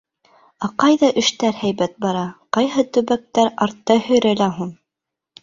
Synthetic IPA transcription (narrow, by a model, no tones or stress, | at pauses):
ɑqɑjðɑʔɘ̆ʃt̪æɾhæjβæt̪̚bɑɾɑqɑjɦɤt̪ɵ̆βæk̚t̪æɾɑɾt̪ːɑhɵ̆jɾælæɦun